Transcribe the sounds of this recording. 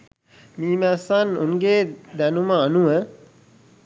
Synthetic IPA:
miːmæsanuŋɡeːd̪ænuməanuʋə

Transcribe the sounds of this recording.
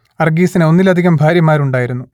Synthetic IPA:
ɐrɡiːsineo̞nːilɐd̪ʱiɣɐmbʱaːɾjɐmaːɾuɳɖaːjiɾunːu

